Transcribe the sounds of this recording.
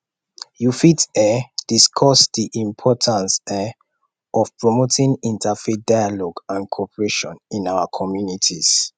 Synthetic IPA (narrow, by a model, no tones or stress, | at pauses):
jufitɛd̥iskʰɔsdiʔĩmpʰɔtʰãnsɛ | ɔvpʰɹɔmotʰĩŋĩntʰafedajalɔɡãnkʰɔpʰəɹeʃɔ̰̃nĩnawakʰɔmjunitʰis